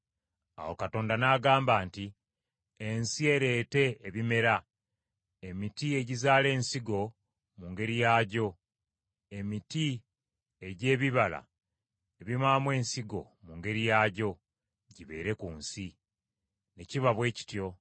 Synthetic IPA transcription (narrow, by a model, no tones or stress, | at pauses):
a̰wo̞̰kato̞ːndanaɡaːmbaːnti | ensie̞ɾe̞ːte̞ːβime̞ɾa | emitie̞ɟizaːle̞ːnsiɡo̞ | muŋɡe̞ɾijaːɟo̞ | e̞miti | e̞ɟe̞ːβiβala̰ | eβimaːmwe̞ːnsiɡo̞̰ | muŋɡe̞ɾijaːɟo̞ | ɟiβe̞̰ːɾe̞kuːnsi | ne̞ciβaβwe̞ːci̥tjo̞